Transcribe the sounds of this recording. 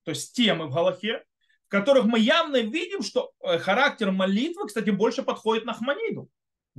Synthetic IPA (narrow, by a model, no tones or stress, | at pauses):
t̪o̞ɪsʲtʲtʲemɨvɣɐlˠɐxʲe | fkɐt̪o̞ɾɨxmɨjavnəvʲidʲɪmʂt̪o̞xɐɾak̚tʲɪrmɐlʲit̪vɨkst̪atʲɪbo̞lʲʂɨpɐt̪xo̞dʲɪt̪nɐxmɐnʲid̪ʊ